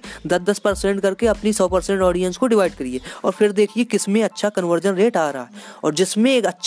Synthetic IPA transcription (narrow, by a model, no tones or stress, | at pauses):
d̪ɐd̪ɐspɐɾsɛ̃ɳʈ̚kɐɾkeɐpnisɔːpɐɾsɛ̃ɳʈɔːɖijə̃nskoɖɪʋaːɪɖkɐɾieːɔːɾfʰɪɾd̪eːkʰiekɪsmẽɐtːʃʰakɐnʋəɾd͡ʒənɾeːʈaːɾaɦa̰ɦɛːɔ̰ːɾd͡ʒɪsmẽːkɐtːʃʰ